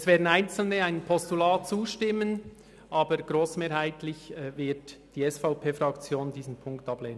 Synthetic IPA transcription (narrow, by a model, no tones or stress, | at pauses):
ɛsvɛːdn̩æɪnt͡sl̩nəaɪnpʰɔstulaːt̚t͡suːʃtɪmːən | ʔɑːbəɾɡ̥ɾoːsmeːɾhaɪtlɪçɛvɪɾtd̥iːɛsfaʊpʰeːfɾɑkt͡sjoːndiːzən̩pʰʊŋktɑbleːnən